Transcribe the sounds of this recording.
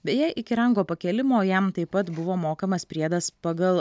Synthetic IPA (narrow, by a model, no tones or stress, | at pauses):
bʲɛjɛɪʔɪkʲɪɾɐŋɡoːpɐkʲɛlʲɪmoːjɛmt̪ɐɪpɐt̪bʊʋoːmoːkɐmɐspʲɾʲiɛd̪ɐspɐɡɐlˠ